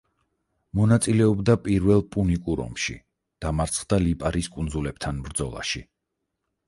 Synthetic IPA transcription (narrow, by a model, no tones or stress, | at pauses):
mɔnat̪sʼilɛɔbd̪apʼiɾvɛlˠpʼunikʼuɾɔ̰mʃḭ | d̪̥amaɾt̪sʰχd̪alipʼaɾiskʼund̪zulɛp̚t̪ʰanmɾd̪zɔlˠa̰ʃi